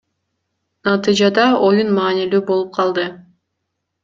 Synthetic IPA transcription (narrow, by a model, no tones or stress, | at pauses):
nɑt̪ɨjd͡ʒɑd̪ɑo̞junmɑːnilyːbo̞lˠup̚qʰɑlˠd̪ɯ